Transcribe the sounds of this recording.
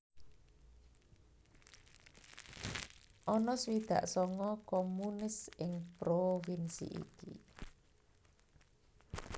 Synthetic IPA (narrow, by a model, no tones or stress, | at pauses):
ʔɔnɔswid̪̥ä̰ʔsɔŋɔkomunɪsɪŋpɾofinsḭʔḭkḭ